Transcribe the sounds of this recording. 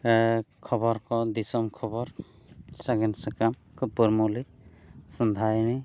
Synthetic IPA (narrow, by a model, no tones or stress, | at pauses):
kʰɔbɔɾkɔd̪isɔmkʰɔbɔɾ | saɡɛnsakam | kɯpuɾmulisɔnd̪ʱajni